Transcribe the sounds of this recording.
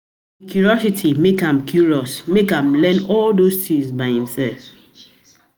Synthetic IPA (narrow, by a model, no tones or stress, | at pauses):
kjuɹiɔsitʰimekãmkʰjuɹiɔsmekãmlɛ̃nɔldostĩŋsbaɪhĩmsɛlf